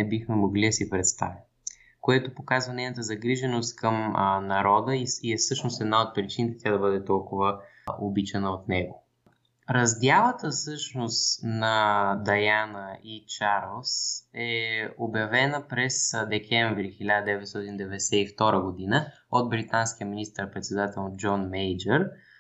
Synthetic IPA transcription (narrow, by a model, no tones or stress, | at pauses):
nɛbixmɛmoɡlid̪ɐsipɾɛt̪st̪a̰vim | koɛt̪opokazvɐnɛjnət̪əzɐɡɾiʒɛnost̪kəmnɐɾɔd̪əiiɛsɤʃnost̪ɛd̪naot̪̚pɾit͡ʃinit̪ɛ̥t̪jad̪ɐbɤd̪ɛt̪ɔlˠkʊvə | obit͡ʃɛnəot̪nɛɡo | ɾɐzd̪javət̪əfsɤʃnost̪nɐd̪ɐjanəit͡ʃaɾlˠsɛobjɐvɛnəpɾɛsd̪ɛkʲʰɛɱvɾixilʲad̪əd̪ɛvɛt̪st̪ɔt̪ind̪ɛvɛd̪ɛsɛift̪ɔɾəɡod̪inə | ot̪̚bɾit̪anskijəminist̪əɾpɾɛt̪sɛd̪at̪ɛlˠd͡ʒɔnmɛjd͡ʒɛɾ